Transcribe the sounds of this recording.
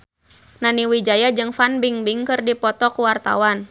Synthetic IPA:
naniwid͡ʒajad͡ʒɨŋfanbiŋbiŋkɨrdipɔt̪ɔkuwart̪a̰wan

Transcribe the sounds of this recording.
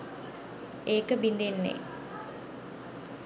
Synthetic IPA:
eːkəbind̪enːḛ

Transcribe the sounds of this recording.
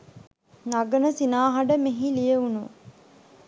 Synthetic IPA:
naɡənəsinaːɦɐɖəmeɦilijəunu

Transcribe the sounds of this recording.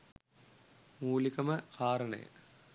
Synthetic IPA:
muːlikɐmɐkʰaːɾɐɳḛː

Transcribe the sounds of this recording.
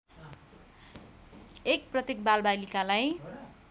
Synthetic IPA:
ek̚prʌt̪ekbalbalikalaj

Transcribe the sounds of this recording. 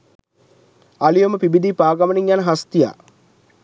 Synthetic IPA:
ɐlijomɐpibid̪ʱipaːɡɐmɐniŋːaːnɦɐst̪ja̰

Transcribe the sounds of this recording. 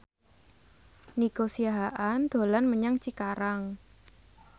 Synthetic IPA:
niɡ̥osiaɦaʔand̪̥o̤lanməɲaŋt͡ʃikaɾaŋ

